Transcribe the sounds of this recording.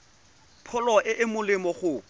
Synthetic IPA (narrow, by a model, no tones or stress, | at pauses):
pʰɔlɔʔɪʔɪmʊlɪmɔχʊ